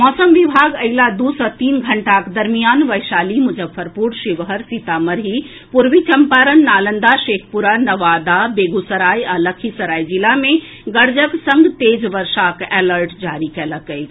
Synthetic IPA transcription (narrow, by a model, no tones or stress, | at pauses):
mɔːsəmʋibʱaɡəɪlad̪usət̪iːnɡʱəɳʈakd̪əɾmijaːnʋəjʃaːlimud͡ʒəbfʰəɾpuɽʃiʋɦəɾsit̪aməɾɦi | puɾʋit͡ʃəmpaɾənːaːlənd̪aʃeːkʰpuɾanəʋad̪abeːɡusəɾaːjaləkʰisəɾaːjd͡ʒilamẽ | ɡəɾd͡ʒəksə̃ŋɡt̪eːd͡ʒʋəɾʃakɛləɾʈd͡ʒaɾikeləkəj̪